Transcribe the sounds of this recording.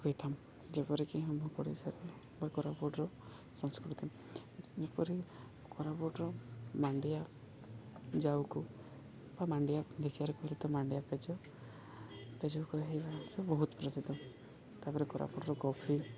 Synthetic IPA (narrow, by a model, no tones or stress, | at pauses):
kɔit̪ʰam | d͡ʒepɔɾikiɦɔmɔkɔɽisaɾe | bakɔɾabɔɖɾɔ | sɔŋskɾuʈut̪ʰim | epɔɾi | kɔɾabɔɖɾɔmaɳɖija | d͡ʒawku | bamaɳɖijad̪ekʰiaɾekɔɦilet̪ɔmaɳɖijaped͡ʒɔ | ped͡ʒɔkɔɦebaɾebɔɦut̪ɔpɾɔsid̪ɔ | t̪apɔɾekɔɾʔa̰bɔɖɔɾɔkɔpʰi